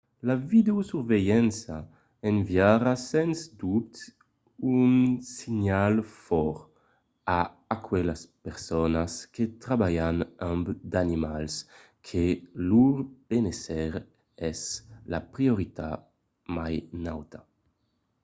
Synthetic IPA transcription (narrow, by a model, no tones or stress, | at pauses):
lavid̪eosuɾvejɛnsa | envjaɾasɛnsd̪up̚t̪ | unsiɲalfɔɾ | aː | kwelaspeɾsɔnasket̪ɾabajanambd̪animals | kʰeluɾb̥enesɛɾ | ɛslapɾioɾit̪a̰ | majnawt̪a